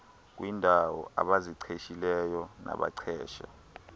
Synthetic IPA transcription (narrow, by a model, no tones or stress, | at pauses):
k̬ʼwindʱawɔa̰ɓaziǀʰeʃilɛjɔna̰ɓa̰ǀʰɛːʃa